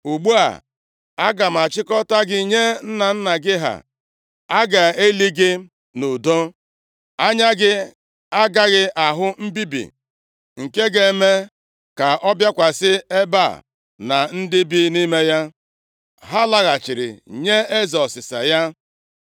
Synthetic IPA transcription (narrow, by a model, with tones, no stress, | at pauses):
u˨ɡ͡bu˦a̰˨ | a˦ɡa˨m̩˨a˨t͡ʃɪ˦kɔ˦ta˦ɡɪ˦ɲe˦n̩˦na˨n̩˦na˨ɡɪ˦ɦa̰˨ | a˦ɡa˨e˦li˦ɡe˦ | no˨do˦ | a˦ɲa˦ɡɪ˦ | a˦ɡa˦ɣɪ˦ʔa˨ɦʊ˦m̩˦bi˦bḭ˨ | ŋ̩˨ke˦ɡe˨˦me˦ | ka˨ʔɔ˦bja˦kʷa˨sɪ˦e˦ba̰˦˨ | na˨n̩˦dɪ˦bi˦ni˦me˦ja˦ | ɦa˦la˦ɣa˨t͡ʃɪ˨ɾɪ̰˨ɲe˦e˦zɔ˨sɪ˨sa̰˨ja˦